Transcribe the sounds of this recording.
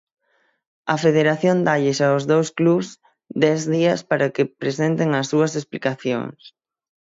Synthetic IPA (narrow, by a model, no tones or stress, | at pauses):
ɐfeð̞eɾaθjond̪aʎɪʃaʊzðowskluβs | d̪ɛzðiɐspaɾakɪpɾesent̪eŋɐsːuɐsesplikaθjo̰ŋs